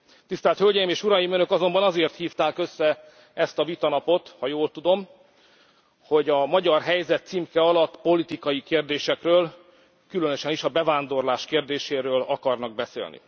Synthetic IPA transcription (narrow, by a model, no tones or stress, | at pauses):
t̪ist̪ɛlt̪hølɟɛjimeːʃuɾɒjimønø̞kɒzo̞mbɒnɒzeːrt̪hiːft̪aːkø̞sːɛ | ɛst̪ɒvit̪ɒnɒpo̞t̪hɒjoːlt̪ud̪o̞m | ho̞ɟɒmɒɟɒrɦɛjzɛt̪ːsimkɛɒlɒt̪ːpo̞lit̪ikɒjikeːrd̪eːʃɛkrøːl | kylø̞nøʃɛniʃɒbɛvaːnd̪o̞rlaːʃkeːrd̪eːʃeːɾøːlɒkɒrnɒɡ̚bɛsḛːlnḭ